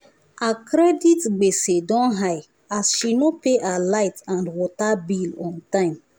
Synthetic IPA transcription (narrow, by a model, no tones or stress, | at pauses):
akɾɛditɡ͡besedɔ̃nɦaj | asʃinopeʔalaɪtãndwɔtabilɔ̃ntãɪ̃m